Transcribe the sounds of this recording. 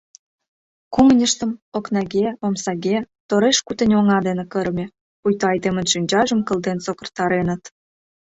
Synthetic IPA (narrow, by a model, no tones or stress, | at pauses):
kuŋənʲəʃt̪ə̆moknɑɣʲeomsɑɣʲe | t̪oɾeʃkut̪ə̆nʲoŋɑd̪enekəɾmʲe | ujt̪oɑjd̪emə̆nʃynʲd͡ʑɑʒəmkə̆lˠd̪ent͡sokə̆rt̪ɑɾenət̪